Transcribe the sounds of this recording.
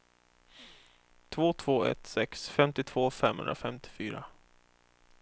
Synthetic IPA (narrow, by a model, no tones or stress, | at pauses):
t̪ʰvoːt̪ʰv̥oːɛ̰t̪sɛksfɛmt̪ɪt̪ʰv̥oːfɛmhɵ̰nɾa̰fɛmt̪ʰɪ̥fyːɾa